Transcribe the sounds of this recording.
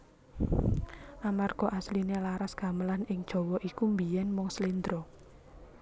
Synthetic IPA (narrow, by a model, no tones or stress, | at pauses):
ʔamarɡ̥ɔ̤ʔaslinelaɾasɡ̥a̤məlanɪŋd̥ʒ̥ɔ̤wɔʔikumbijɛnmɔŋslind̪ɾɔ